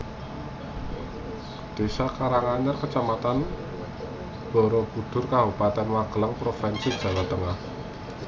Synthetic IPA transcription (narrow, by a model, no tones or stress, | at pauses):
d̪̥e̤sakaɾaŋaɲərkət͡ʃamat̪an | b̥ɔ̤ɾɔb̥ud̪̥ʊ̤rkaɦupat̪ɛnwaɡ̥ələŋpɾofɛnsid̥ʒ̥a̤wat̪əŋah